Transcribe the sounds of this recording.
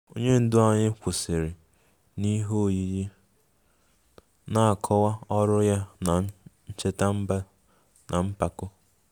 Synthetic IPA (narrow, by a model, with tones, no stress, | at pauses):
o˦ɲe˦n̩˦dʊ˦a˨ɲɪ˦kʷʊ˨sɪ˨ɾɪ˨ | ni˦ɦo˦˨ji˦ji˦ | na˦a˨kʰɔ˦wa˦ɔ˦ɾʊ˦ja˦na˨˦ | t͡ʃe˦ta˦m̩˦ba˦ | nʔa˨m̩˦pa˨kʊ˦